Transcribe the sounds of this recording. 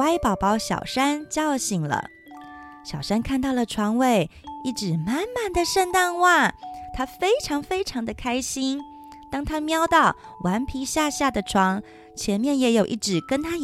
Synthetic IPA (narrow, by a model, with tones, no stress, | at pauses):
a˥ɪpɑ˨˩ʊpɑ˧˥ʊɕjɑ̰˨˩ʊʂa˥nt͡ɕjɑ˥˧ʊɕi˨˩ŋlə̰˦ | ɕjɑ˨˩ʊʂa˥nkʰa˥˧nt̪ɑ˥˩ʊlə˩ʈ͡ʂʰwɑ˧˥ŋwe˥˩ɪi˥˩ʈ͡ʂɻ̩˨˩ma˥˩nma˥˩nd̪ə˨ʂə˥˧nt̪a˥˧nwa˥˩t̪ʰa˥fe˥ɪʈ͡ʂʰɑ˧˥ŋfe˥ɪʈ͡ʂʰɑ˧˥ŋd̪ə˧kʰa˥ɪɕi˥n | t̪ɑ˥ŋt̪ʰa˥mjɑ˥ʊt̪ɑ˥˩ʊ | wʔa˧˥npʰi˧˥ɕja˥˧ɕja˥˩d̪ə˩ʈ͡ʂʰwɑ˧˥ŋ | t͡ɕʰjɛ˧˥nmjɛ˥˩njɛ˧˥jo˨˩ʊʔḭ˥˩ʈ͡ʂɻ̩˨˩kə˥nt̪ʰa˥